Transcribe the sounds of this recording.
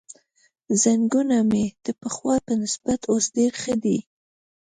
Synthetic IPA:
zaŋɡunamed̪̥əpəxwɑpənɪsbat̪ʰosɖeɾxəd̪i

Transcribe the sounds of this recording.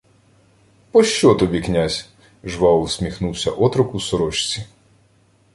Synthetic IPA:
pɔʃt͡ʃɔt̪ɔbʲiknʲazʲ | ʒʋɑɔlsʲmʲixnuwsʲɐ̰ʔɔt̪ɾɔkusɔɾɔʃt͡sʲi

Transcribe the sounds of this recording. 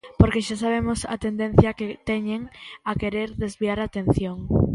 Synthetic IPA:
poɾkeʃasaβ̞emʊsɐ̰t̪end̪en̟θjɐket̪ɛɲeŋakeɾeɾðezβiaɾat̪en̟θjoŋ

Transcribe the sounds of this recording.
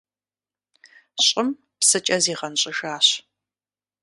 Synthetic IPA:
ɕʼɪm | psɨt͡ʃʼɐziːʁɐnɕʼɪʒaːɕ

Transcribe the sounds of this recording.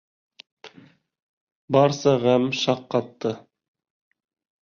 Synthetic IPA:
bɑɾsɑʁæmʃɑqːɑt̪ːɤ

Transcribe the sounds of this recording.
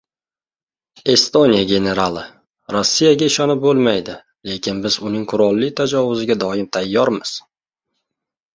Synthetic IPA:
e̞st̪o̞nʲijaɡʲe̞ne̞ɾalˠɪ | ɾosːijaɡʲaɪʃɒnɪp̚bolˠmajd̪ɪ | le̞kʲʰɪnbɪzʊnɪŋqʰʊɾɒlˠːɪt̪ʰad͡ʒɒvʊzɪɡʲad̪ɒɪmt̪ʰajːɒɾmɪz̥

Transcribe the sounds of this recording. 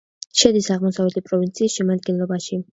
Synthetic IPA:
ʃɛd̪isaʁmɔsavɛt̪ʰipʼɾɔvint̪sʰiːsʃɛmad̪̚ɡɛnlˠɔbaʃi

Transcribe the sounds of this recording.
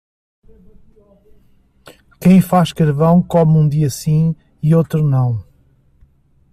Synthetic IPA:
kɐ̃j̃faʃkɐɾvɐ̃w̃kɔmũd̪iɐsĩ | iot̪ɾunɐ̃w̃

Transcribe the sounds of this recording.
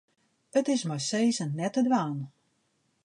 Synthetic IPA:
ətɪsmɔsejzənnɛtədʋaːn

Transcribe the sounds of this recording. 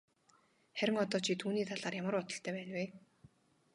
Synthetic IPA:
χæɾʲɪ̆ŋɔt̪ɔːt͡ɕʰit̪ʰuːniːt̪ʰaɮaːrjamə̆rʊt̪ɞ̆ɬt̪ʰœːpæːnweː

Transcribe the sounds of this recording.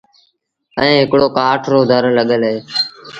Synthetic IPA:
ə̃ːɦɪkɽoːkaːʈʰɾoːd̪ʱəɾləɠəlɦeː

